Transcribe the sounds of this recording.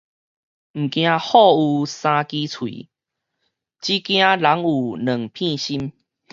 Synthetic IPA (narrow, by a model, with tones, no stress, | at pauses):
m̩˨˩kj̃ã˧hɔ˥˧u˨˩sã˧ki˦t͡sʰwḭ˨ | t͡ɕi˦kj̃ã˧la˨˦ŋu˨˩nə˨˩ŋpʰĩ˥˧ɕi˦m